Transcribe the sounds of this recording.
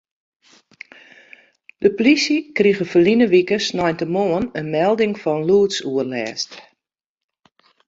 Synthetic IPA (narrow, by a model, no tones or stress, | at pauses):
d̥əpolisjikriɣəfəlinəʋikəsnɔjntəmoənənmɛlˠdɪŋfɔnluətsuərlɛːst